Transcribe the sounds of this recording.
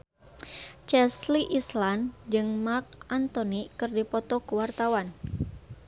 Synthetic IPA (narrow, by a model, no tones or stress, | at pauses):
t͡ʃɛsliʔisland͡ʒɨŋmark̚ʔant̪ɔnikɨrdipɔt̪ɔkəwart̪awan